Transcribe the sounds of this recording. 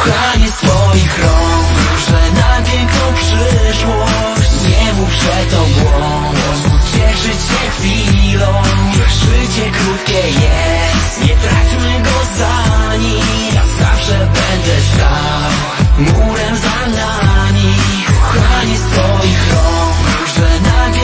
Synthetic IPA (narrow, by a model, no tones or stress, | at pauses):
xaɲɛsfɔjixɾɔ | pʂɛd̪nat̪ʲɛkɔpʂɘʂwɔ | ɲɛmupʂɛt̪ːɔɡwɔ | dɔ̃w̃t͡ɕɛʂɨt͡ɕɕɛxfʲilɔ̃wʂɘd͡ʑɛkɾut̪̚kʲɛjɛ | st̪ɲɛt̪ɾat͡ɕimɘɡɔzaɲi | ɾa̰za̰fʂɛbɛnd̪ɛst̪a | w | muɾɛmza | namʲi | xaɲisfɔjixɾɔk | ʐɛna